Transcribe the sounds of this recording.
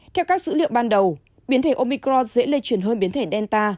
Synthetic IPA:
t̪ʰɛ˧wkaː˦˥k̚sɨ̰˧˥lḭ˧˨əŋ͡mɓaː˧nɗə˨˩w | ɓi˨˦ənt̪ʰe˧˩ʔo˧mi˧kɾɔ˧nzḛ˧˥le˧t͡ɕwi˧˩ənɦəː˧nɓi˨˦nt̪ʰe˧˩ɗɛ˧nt̪aː˧

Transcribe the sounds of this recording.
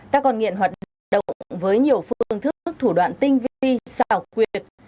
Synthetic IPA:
k̪aː˦˥kːɔ˧nŋḭ˧˨ənɦwaː˨˩t̚ɗɗə̰˧˨wŋ͡mŋ͡mvəː˨˦jɲi˨˩əwfɨ˧ə˧əŋt̪ʰɨ˦˥k̚k̚t̪ʰu˧˩ɗwa̰ː˧˨nt̪ï˧ŋ̟vi˧i˧sa˧˩wkwi˧˩ət̚

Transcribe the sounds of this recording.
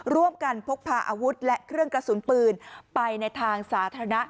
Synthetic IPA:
ɾu˥˩əmka˧npʰo˦˥k̚pʰaː˧ʔaː˧wu˦˥t̪̚lɛ˦˥ʔkʰɾɯ˥˩əŋkɾa˧su˨˩˦npɯː˧npa˧jna˧jt̪ʰaː˧ŋsaː˩˦t̪ʰaː˧a˧na˦˥ʔ

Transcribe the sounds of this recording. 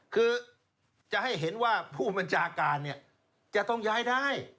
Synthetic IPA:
kʰɯː˧ | t͡ɕa˨˩ha˥˩jɦe˩˦nwaː˥˩pʰuː˥˩ba˧nt͡ɕʰaː˧kaː˧nːi˥˩ɐ | t͡ɕa˨t̪ɔ˥˩ŋjaː˧˥˩jdaː˥˩j

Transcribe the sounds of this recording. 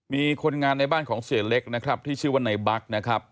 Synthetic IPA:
miː˧kʰo˧nŋaː˧nːa˧jbaː˥˩nkʰɔː˩˦ŋsi˨˩˦əle˦˥k̚na˦˥kʰɾa˦˥p̚t̪ʰiː˥˩t͡ɕʰɯː˥˩waː˥˩na˧jba˦˥k̚na˦˥kʰɾa˦˥p̚

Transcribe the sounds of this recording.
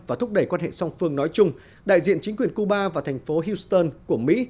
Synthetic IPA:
vaː˨˩t̪ʰʊ˦˥k͡p̚ɗə˧˩jkwaː˧nhḛ˧˨sa˧wŋ͡mfɨ˧əŋnɔ˨˦jt͡ɕʊ˧ŋ͡m | ɗa̰ː˧˨jzḭ˧˨ənt͡ɕï˨˦ŋ̟kwi˨˩ənku˧ɓaː˧vaː˨˩t̪ʰjŋ̟fo˨˦ɦi˧wst̪əː˧nku˧˩əmḭ˧˥

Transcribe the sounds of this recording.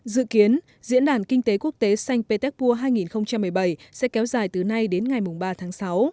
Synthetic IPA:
zɨ̰˧˨ki˨˦ən | zḭ˧˥nɗaː˧˩nkï˧ŋ̟t̪e˨˦ku˦˥ək̚t̪e˨˦sa˧jŋ̟pe˧t̪ɛ˦˥k̚pu˧əɦaː˧jŋi˨˩nxə˧wŋ͡mt͡ɕa˧mːɨ˨˩əjɓə˧˩jsɛ̰˧˥kɛ˨˦wzaː˨˩jt̪ɨ˨˩na˧jɗe˨˦nŋa˨˩jmʊ˨˩ŋ͡mɓaː˧t̪ʰaː˨˦ŋsa˨˦w

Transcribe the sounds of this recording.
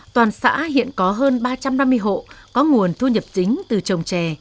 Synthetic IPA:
t̪waː˨˩nsa̰ː˧˥hḭ˧˨ənkɔ˨˦ɦəː˧nɓaː˧t͡ɕa˧mna˧mːɨ˧əjɦo̰˧˨kɔ˨˦ŋu˨˩ənt̪ʰu˧ɲə˨˩p̚t͡ɕï˨˦ŋ̟t̪ɨ˨˩t͡ɕə˨˩wŋ͡mt͡ɕɛ˨˩

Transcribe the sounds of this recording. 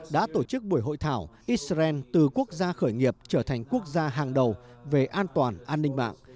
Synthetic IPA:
ɗa̰ː˧˥t̪o˧˩t͡ɕɨ˦˥k̚ɓu˧˩əjɦo̰˧˨jt̪ʰaː˧˩wʔi˦˥sa˧ɛ˧nt̪ɨ˨˩ku˦˥ək̚zaː˧xəː˧˩jŋi˨˩əp̚t͡ɕəː˧˩t̪ʰa˨˩jŋ̟ku˦˥ək̚zaː˧ɦaː˨˩ŋɗə˨˩wve˨˩ʔaː˧nt̪waː˨˩nʔaː˧nːï˧ŋ̟ma̰ː˧˨ŋ

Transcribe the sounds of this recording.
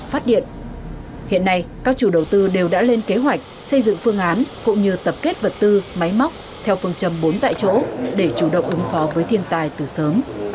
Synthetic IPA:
faː˦˥t̚ɗḭ˧˨ən | hḭ˧˨ənːa˧jkaː˦˥k̚t͡ɕu˧˩ɗə˨˩wt̪ɨ˧ɗe˨˩wɗa̰ː˧˥le˧nke˨˦ɦwa˨˩jk̟̚ | sə˧jzɨ̰˧˨ŋfɨ˧əŋʔaː˨˦nkʊ̰˧˥ŋ͡mɲɨ˧t̪ə˨˩p̚ke˦˥t̚və˨˩t̚t̪ɨ˧ma˨˦jma˦˥wk͡p̚ | t̪ʰɛ˧wfɨ˧əŋt͡ɕə˨˧˩mɓo˨˦nt̪a̰ː˧˨jt͡ɕo̰˧˥ɗe˧˩t͡ɕu˧˩ɗə̰˧˨wŋ͡mʔɨ˨˦ŋfɔ˨˦vəː˨˦jt̪ʰi˧ənt̪aː˨˩jt̪ɨ˨˩səː˨˦m

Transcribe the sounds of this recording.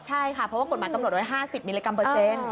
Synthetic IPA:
t͡ɕʰa˥˩jkʰa˥˩pʰɾɔ˦˥waː˥˩ko˨˩maː˨˦jka˧mnu˨˩t̪̚wa˧˩ɦaː˥˩si˨˩p̚miː˧liː˧ka˧mpɤː˧˩se˧˥n

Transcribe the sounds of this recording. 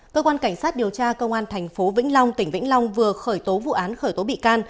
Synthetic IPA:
kəː˧kwaː˧nka˧˩jŋ̟saː˦˥t̚ɗi˨˩əwt͡ɕaː˧kə˧wŋ͡mʔaː˧nt̪ʰɛ˨˩jŋ̟fo˨˦vḭ˧˥ŋ̟lɔ˧wŋ͡mt̪ï˧˩ŋ̟vḭ˧˥ŋlɔ˧wŋ͡mvɨ˨˩əxəː˧˩jt̪o˨˦vṵ˧˨ʔaː˨˦nxəː˧˩jt̪o˨˦ɓḭ˧˨kaː˧n

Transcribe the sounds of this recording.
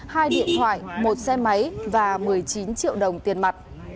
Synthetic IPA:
haː˧jɗḭ˧˨ənt̪ʰwa̰ː˧˨jmo˨˩t̚sɛ˧ma˨˦jvaː˨˩mɨ˨˩əjt͡ɕi˨˦nt͡ɕḭ˧˨əwɗə˨˩wŋ͡mt̪i˨˩ənma˨˩t̚

